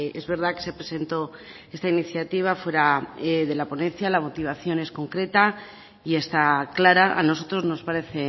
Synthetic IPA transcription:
e̞zβe̞ɾð̞ake̞sepɾese̞nt̪o̞ | e̞st̪ainiθjat̪iβ̞afwe̞ɾaeðe̞lapo̞nẽ̞n̟θjalamo̞t̪iβ̞aθjo̞ne̞sko̞ŋkɾe̞t̪a | ie̞st̪aklaɾaʔa̰no̞s̬o̞t̪ɾo̞zno̞spaɾe̞θe̞

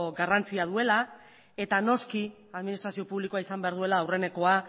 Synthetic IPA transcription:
ɡarant͡siað̞ue̞la | e̞t̪ano̞ski | aðminist̪ɾasio̞puβlikoaisambe̞aɾð̞ue̞laːwre̞ne̞ko̞a

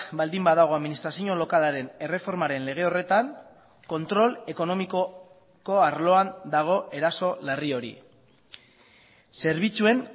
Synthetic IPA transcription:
bald̪imbaðaɣ̞o̞aðminist̪ɾasioɲo̞lo̞kalaɾe̞ne̞re̞fo̞ɾmaɾe̞nle̞ɣ̞e̞o̞re̞t̪aŋ | ko̞nt̪ɾo̞le̞ko̞no̞miko | ko̞aɾlo̞and̪aɣ̞o̞ʔe̞ɾaso̞lario̞ɾḭ | se̞ɾβ̞it͡sue̞n

